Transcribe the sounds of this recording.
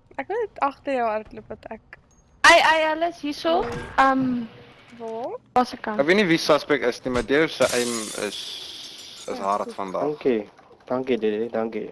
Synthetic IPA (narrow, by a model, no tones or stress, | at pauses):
ækmunətɐχtərjəwɐrtlupɐtæk | ɐjɐjələsɦisoəm | vɑːrpɐsəkɐɛkviətnivisɐspɛk̚təsnimɐdisəʔɛjmə̰s | ə̰sɦɑːɾtfɐndɑŋki | d̥ɐŋkididdɐŋkḭ